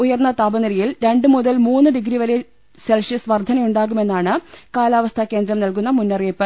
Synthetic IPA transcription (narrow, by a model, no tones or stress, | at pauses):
ujɐrnːɐt̪aːbɐnɐɾijilɾe̞ɳɖɨmuðɐlmuːnːɨɖiɡɾiʋɐɾe | selʂisʋɐrd̪ʱːɐnɐjuɳɖaːɣume̞nːaːɳɨkaːlaːʋɐst̪ʰɐkːeːnd̪ɾɐmnɐlkunːɐmunːɐreːpːɨ